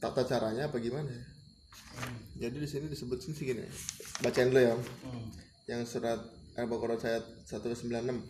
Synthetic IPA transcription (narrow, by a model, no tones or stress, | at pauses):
t̪a̰t̪at͡ʃaɾaɲaːpaɡimanaja | d͡ʒadidisinidisəbʊt̪̚sɪnsɪhɡinḭbat͡ʃanloja | jaŋsuɾat̪̚ʔabakoɾasajat̪̚sat̪ulasəmbilanːəm